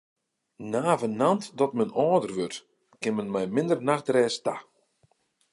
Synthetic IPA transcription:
naːvənantdɔtmənɔːdərʋørt | kɪnmənmɛjmɪndərnaxtrɛːsta

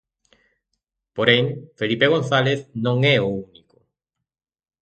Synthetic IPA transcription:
poɾeŋfelipeɣ̞on̟θaleθnõŋɛouniko

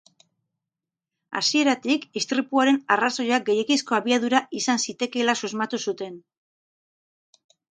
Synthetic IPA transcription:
a̰sie̞ɾat̪ikist̪ɾipuaɾe̞naraso̞jaɡe̞jekisko̞aβiaðuɾaʔisansit̪e̞ke̞lasuzmat̪usut̪e̞n

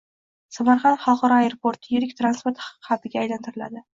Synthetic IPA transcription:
samaɾχɑnd̪χɑlˠqɑɾɒajeɾopʰoɾt̪ʰjɪɾɪkʲt̪ɾanspoɾt̪χɑqɨ̥qʰɑt̪ɪɡʲaːjlant̪ʰɪɾɪla̰d̪ɪ

